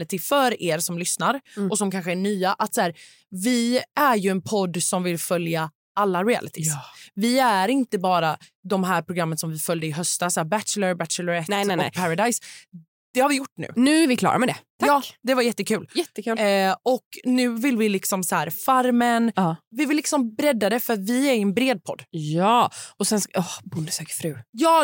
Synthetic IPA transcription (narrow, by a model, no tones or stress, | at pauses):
lɪt̪ɪfœɾeːɾsɔmlʏsnaɾɔsɔmkʰanɧəæɳyːaʔat̪sæːɾ | vɪæɾjɵɛnpʰɔd̪ːsɔmvɪlfœlja | alːaɾɪæ̰lɪt̪ʰɪsvɪæɾɪnt̪əbɑːɾad̪ɔmɦæːɾpʰɾʊɡɾamːənsɔmvɪfœljd̪əɪɦœst̪asæːbæt̪ləɾbæt̪t͡ʃələɾɛt̪ːɔkpʰaɾad̪ajs | d̪̥ɛhaɾvɪjʊʈːnʉ̟̰ːnʉ̟ːvɪkʰlɑ̰ːɾʔa̰mɛd̪ɛt̪ʰaɑːd̪ɛvaɾjɛt̪ːəkʰʉ̟ːljɛt̪ːəkʰʉːlɔknʉ̟ːvɪlvɪlɪksɔmshæːɾfaɾmənːvɪvɪlːɪksɔmbɾɛd̪ːad̪ɛfœɾat̪vɪæɾɪɛnbɾeːd̪̚pʰɔ̰d̪ːjɑːɔsɛnsɔhbʊnd̪əsøːkəfɾʉ̟ːjɑː